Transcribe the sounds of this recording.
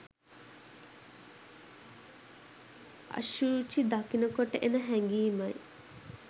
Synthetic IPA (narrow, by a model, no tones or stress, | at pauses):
ɐ̰ʃuːt͡ʃid̪akinəkoʈəʔenəɦæŋɡiːmɐj